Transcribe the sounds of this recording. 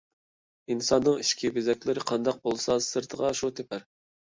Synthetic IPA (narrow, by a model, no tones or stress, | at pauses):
insɑnːɨŋiʃkʲʰibɪzɛkʲlɪɾɪqʰɑnd̪ɑq̚bolˠsɑsɨɾt̪ʰəʁɑʃut̪ʰepʰæɾ